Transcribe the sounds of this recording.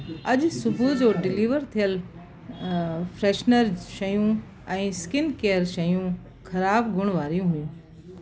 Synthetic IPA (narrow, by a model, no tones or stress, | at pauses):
ɐʄsʊbʱud͡ʑoːɖɪliːʋəɾt̪ʰijəl | fɾeːʃnəɾʃɐjũ | ɛ̃ːskɪnkeːəɾʃɐjũː | kʰɐɾaːbɡʱʊɽ̃ʋaːɾijũɦʊjũː